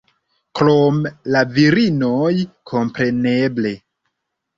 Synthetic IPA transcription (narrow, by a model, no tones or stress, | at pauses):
klomlaviɾinojkʰo̞mpɾe̞ne̞ble̞